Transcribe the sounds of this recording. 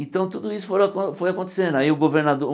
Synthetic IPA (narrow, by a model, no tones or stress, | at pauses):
ẽt̪ɐ̃w̃t̪ud̪ʊisʊ̥foɾkõfojakõnt̪e̥sẽnd̪ʊaiʊɡoveɾnad̪oɾ